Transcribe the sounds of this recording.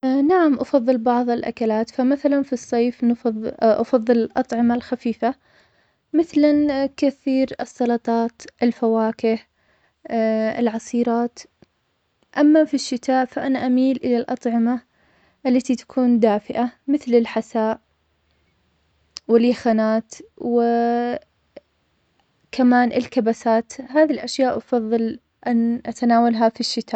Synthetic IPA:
naʕamʔɑfɑðˤːɨlbɑʕðˤɪlʔa̰kalaːt̪famaθalanfisˤːeːfnfðˤʔɑfɑðˤːɨlɪlʔɑt̪ˤʕɪmalxafiːfa | mɪθlankaθiːɾɨsˤːɑlɑt̪ˤɑːt̪ʔɪlfawaːkɪh | ɪ̰lʕɑsˤiːɾɑːt̪ | ʔamːafiʃːɪt̪aːʔfaʔanaʔamiːlʔɪlalʔɑ̰t̪ˤʕɪma | ʔɪlːat̪it̪ḁkʰuːnd̪aːfɪʔamɪθlɪlħasaːʔ | wɪljaxanaːt̪wɪ | kamaːnʔɪlkabasaːt̪haːðilʔaʃjaːʔʔɑfɑðˤːɨl | ʔanʔat̪anaːwalɦafiʃːɪt̪ʰaːʔ

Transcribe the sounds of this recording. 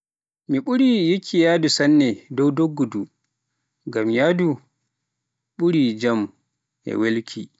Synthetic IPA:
miɓuɾijikʰːijaːdusanːɛdɔwdoɡːudu | ŋɡamjaːdu | ɓuɾid͡ʒam | ʔɛ̰welkʰḭ

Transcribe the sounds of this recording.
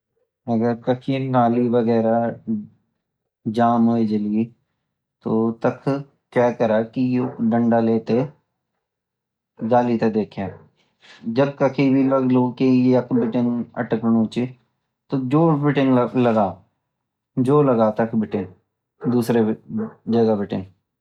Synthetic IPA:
ɐɡəɾkɐkʰinaːliʋɐɡɛːɾa | d͡ʒaːmɦoːid͡ʒɐlii | t̪oːt̪ɐkʰ | kjaːkɐɾaːkijoɖə̃ɳɖaleːt̪e | ɡaːlit̪ed̪eːkʰeː | d͡ʒɐb̚kɐkʰibʱiləɡlokijɐkʰbɪʈɪŋɐ̰ʈknoːt͡ʃe | t̪od͡ʒoːbɪʈɪŋlɐɡaː | d͡ʒoːlɐɡaːt̪ɐkʰbɪʈɪ̃ŋ | d̪uːsɾed͡ʒɐɡabɪʈɪ̰ŋ

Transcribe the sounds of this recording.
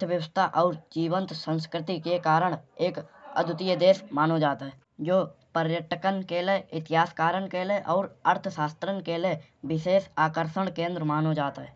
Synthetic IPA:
t̪ʰʋjəwəst̪ʰaʔɔːɾd͡ʒiːʋə̃nt̪sə̃nskɾɪt̪ikekaːɾəɽ̃eːkə̰d̪ʱʊt̪ɪjəd̪eːsmaːnod͡ʒaːt̪ɦɛː | d͡ʒoːpəɾjəʈəkənkeleɪt̪ɪɦaːskaːɾənkeleʔɔːɾəɾt̪ʰəʃaːst̪ɾənkele | bɪʃeːsaːkəɾʃəɽkẽːnd̪ɾəmaːnod͡ʒaːt̪ɦɛː

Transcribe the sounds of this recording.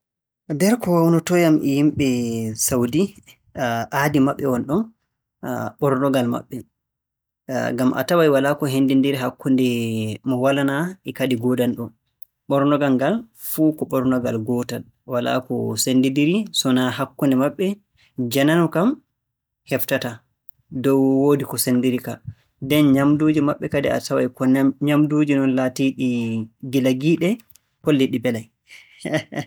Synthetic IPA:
dɛɾkɔwawnɔtɔjamʔɛjimɓɛsawdi | ʔaːdimaɓːɛwɔnɗɔn | ɓɔɾnɔɡalma̰ɓːɛ | ɡamʔa̰tawajwalakɔɦendindiɾiɦakːundɛmɔwalanaʔɛkadiɡɔdanɗɔ | ɓɔɾnɔɡaŋɡal | fukɔɓɔɾnɔɡalɡɔtal | wala̰kɔ̰sendidiɾisɔnahakːundɛmaɓːɛ | d͡ʒananukam | hɛftata | dɔwwodikɔsendiɾika | dɛnɲamdud͡ʒimaɓːɛkadia̰tawajkɔɲamdud͡ʒinɔnlaːtiɗiɡilaɡiːɗɛ | kolːiɗibɛlaj

